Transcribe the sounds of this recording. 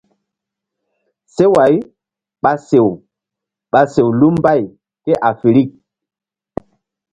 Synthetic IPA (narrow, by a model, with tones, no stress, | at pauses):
se˦wa˨˦j | ɓa˨se˨w | ɓa˨se˨wlu˦mba˦˨j | ke˦ʔa˨fe˨ɾi˦k̚